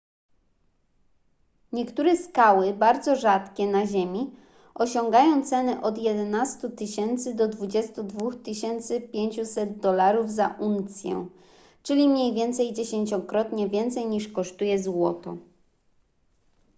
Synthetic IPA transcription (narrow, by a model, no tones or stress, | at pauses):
ɲɛkt̪uɾɛskawɘbaɾd̪zɔʐat̪kʲɛnaʑemʲi | ɔɕɔŋɡajɔ̃w̃t̪sɛnɛʔɔd̪jɛd̪ɛnast̪ut̪ɘɕɛnt̪sɘd̪ɔd̪vud͡ʑɛst̪ud̪vuxt̪ɘɕɛnt̪sɘpʲjeɲt͡ɕusɛd̪̚d̪ɔlaɾuvzaʔunt̪sʲjɛ̰ | t͡ʂɘlʲimɲejvʲjɛnt̪sɛjd͡ʑeɕeɲt͡ɕɔkɾɔt̪ɲɛvʲjɛnt̪sɛjɲiʂkɔʂt̪ujɛzwɔt̪ɔ̰